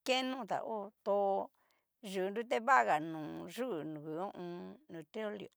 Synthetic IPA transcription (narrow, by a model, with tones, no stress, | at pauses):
ke˦nũ˦˨t̪a̰˨ʔo˦t̪o˧ | ʒu˨˧ndu˦t̪̬e˦βa˦˨ɣa˨nũː˨ʐu˦˨nũ˨ku˨õ˦ʔũ˧nũ˨t̪ɾi˦o˦ljo̰˨